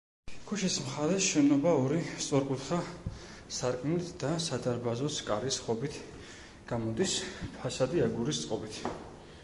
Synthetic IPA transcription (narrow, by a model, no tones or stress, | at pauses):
ɡ̥ʰuʃismχaɾɛsʃɛnɔbaɔɾist̪sʼɔɾkʼut̪χa | saɾkʼmɛt̪ʰd̪̥asad̪aɾbazɔskʼaɾisχɔbit̪ʰ | ɡ̥amɔd̪ispʰasad̪iaɡuɾist̪sʼqʼɔbit̪ʰ